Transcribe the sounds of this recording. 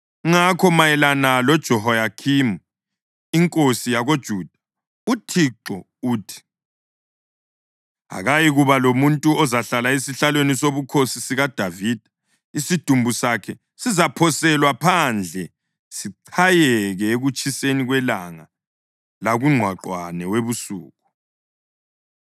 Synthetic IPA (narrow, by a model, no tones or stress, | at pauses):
ŋakʰɔmajɛlanalɔd̥ʒ̥ʱɔɦɔjakʰimu | iŋkʼosijaɣod̥ʒ̥ʱuːd̥ʱḁ | utʰiǁɔ | uːtʰi̥ | ɦa̰ɣajiɣuβalomuntʼuɔzaɬalaesiɬalwenisoβukʰosisiɣad̥ʱavid̥ʱḁ | isid̥ʱumbʱusakʰɛ | sizapʰɔsɛlwapʰand͡ɮʱɛ | siǀʰajɛɣɛeɣut͡ʃʰʼiseniɣwɛlaŋa | laɣuŋ͡ǀʱwaǃwanɛweβusuːɣu